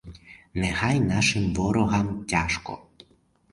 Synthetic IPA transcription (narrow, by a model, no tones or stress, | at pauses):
nɛxajnaʃɪmʋɔɾɔɦamtʲaʃkɔ̰